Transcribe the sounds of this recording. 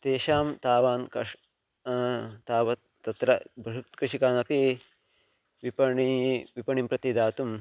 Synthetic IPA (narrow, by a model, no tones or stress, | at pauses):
t̪eːʃaːmt̪aːʋaːnkɐ | t̪aːʋɐ | t̪ɐt̪ɾɐbɦukt̪kɾɪʂikaːnɐpi | ʋipɐɳiʋipɐɳimpɾɐt̪id̪aːt̪um